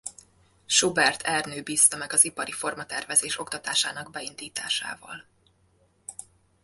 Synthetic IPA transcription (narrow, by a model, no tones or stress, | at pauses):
ʃobɛrt̪ʰɛrnøːbiːst̪ɒmɛɡɒzipɒɾifo̞rmɒt̪ɛrvɛzeːʃo̞kt̪ɒt̪aːʃaːnɒɡbɛind̪iːt̪aːʃa̰ːvɒ̰l